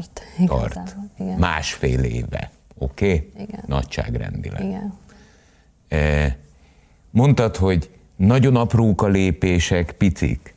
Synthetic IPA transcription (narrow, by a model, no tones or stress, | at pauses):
t̪ɒ̰rma̰ːʃfeːlḛːvɛ̰ | o̞keːɡnɒ̰cʃa̰ːɡrɛ̰nd̪ḭlɛ̰ | mo̞nt̪ɒt̪ho̞ɟ | nɒɟo̞nɒproːkɒleːpeːʃɛkpit̪sḭk